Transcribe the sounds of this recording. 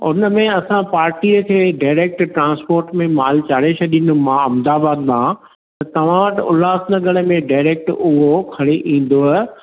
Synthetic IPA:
ʊnəmẽɐsãpaːɾʈiəkʰeɖaːɪɾeːk̚ʈʈɾãːnspoːɾʈmẽmaːlt͡ɕaːɽeʃʰɐɗĩnʊ̆mãɐmd̪aːbaːd̪nã | t̪ɐt̪ɐʋ̤ãʋɐʈʊlaːsnɐɡəɽəmẽɖaːɪɾeːk̚ʈʊɦokʰɐɽeʔĩːn̆d̪oɦɛ

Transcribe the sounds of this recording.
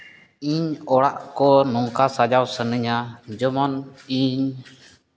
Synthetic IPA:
iɲɔɽaʔkɔnɔŋkasad͡ʒawsənəɲad͡ʒɔmɔniɲ

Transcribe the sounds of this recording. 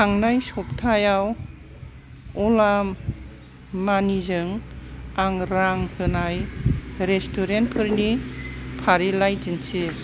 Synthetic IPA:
aŋnajsɔp̚tʰajaw | ɔlamː | anizɯŋaŋɾaŋhɯnajɾestʰuɾent̚pʰɯɾnipʰaɾilajd͡ʒinsi

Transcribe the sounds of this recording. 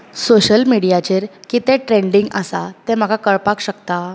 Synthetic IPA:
soɕəlmiɽijat͡ɕeɾkit̪ẽʈɾeɳɖiŋɡasa̰t̪ɛm̤əɡʱakəɭpakɕəkt̪a

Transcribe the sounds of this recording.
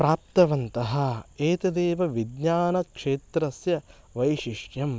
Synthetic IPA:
pɾaːp̚t̪ɐʋɐnt̪ɐɦɐeːt̪ɐd̪eːʋɐʋid̪ɲaːnɐkʂeːt̪ɾɐsjɐ | ʋɐjʃiʂjɐm

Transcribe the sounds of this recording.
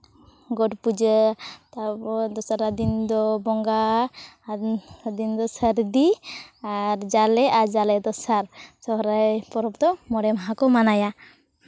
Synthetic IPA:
ɡɔʈpud͡ʒət̪ad̪ɔsaɾad̪ind̪ɔbɔŋɡa | ad̪ind̪ɔsəɾd̪iaɾd͡ʒalɛʔaɾd͡ʒalɛd̪ɔsaɾsɔɦɾapɔɾɔpt̪ɔmɔɾɛmaɦãkɔmanaja

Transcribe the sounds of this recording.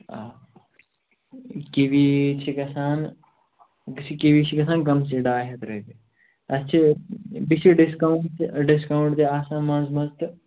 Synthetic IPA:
a | kiʋit͡ʃʰikɐsaːn | kisʰikiʋit͡ʃʰikɐsaːnkɐms̬iɖaːɦɐt̪ɾɐt̪i | ɐst͡ʃʰibit͡ʃʰiɖiskɐwɳɖt̪ɖiskɐwɳʈt̪ʰiaːsaːnmɐnzmɐzt̪ɨ

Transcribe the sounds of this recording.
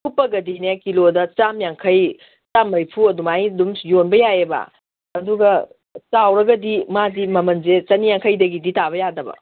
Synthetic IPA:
kupːɐɡɐdinekilodɐt͡ʃamjaŋkʰɐj | t͡ʃamːɐjpʰuɐdumajdumjonbɐjaebɐ̰ | ɐduɡɐ | t͡ʃawɾɐɡɐdimadimɐmɐnzet͡ʃɐnijaŋkʰɐjdɐɡiditaβɐjadɐbɐ̰

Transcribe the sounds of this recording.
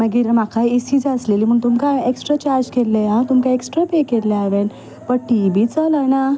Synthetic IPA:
maɡiɾmakʰajesiːd͡zəsleliːm̤əːɳt̪umkaeksʈɾat͡ɕaɾd͡ʑkelːeɦãt̪umkaeksʈɾapekelːeaʋen | pəʈibit͡sələna

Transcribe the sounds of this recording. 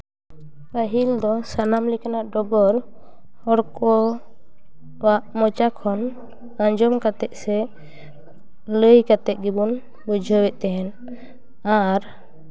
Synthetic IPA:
paɦild̪ɔsanamlikanaʔɖɔbɔɾ | hɔɽkɔ | baʔmɔt͡ʃakʰɔn | ãɲd͡ʒɔmkat̪ɛʔsɛ | ləjkat̪ɛʔ̚ɡibun | bud͡ʒʱɔwɛʔt̪ɛɦɛn | aɾ

